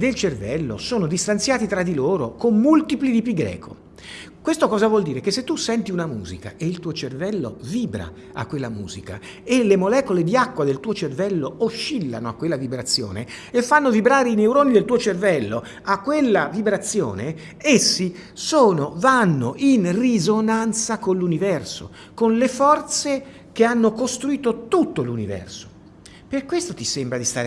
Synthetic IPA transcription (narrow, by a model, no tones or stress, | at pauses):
d̪elt͡ʃervɛlːo̰soːnod̪ist̪ant̪sjaːt̪it̪ɾad̪iloːɾokomːult̪iplid̪ipiɡɾɛ̰ːkʰo̰ | kwest̪okɔːzavwɔld̪iːɾekesːet̪ːusːɛnt̪iunamṵːzika̰ʔeilt̪uːot͡ʃervɛlːo̰viːbɾa̰ | a̰kːwelːamṵːzika̰ | elemolɛːkoled̪iakːwad̪elt̪uːot͡ʃervɛlːooʃːilːa̰noakːwelːavibɾat̪sːjo̰ːnḛ | efːanːovibɾaːɾeineuɾoːnid̪elt̪uːot͡ʃervɛlːo | akːwelːavibɾat̪sːjo̰ːne | esːi | soːnovanːo̰ʔinrizonant̪sakonlːunivɛrso̰ | konlefɔrt̪se | keanːokost̪ɾuiːt̪ot̪ut̪ːolunivɛ̰rso̥ | perkwest̪ot̪isembɾad̪ist̪aːɾ